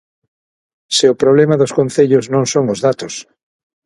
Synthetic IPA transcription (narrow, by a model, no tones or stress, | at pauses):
sɪʊpɾoβ̞lemaðʊskõn̟θeʎʊznõŋsoŋʊzðat̪ʊs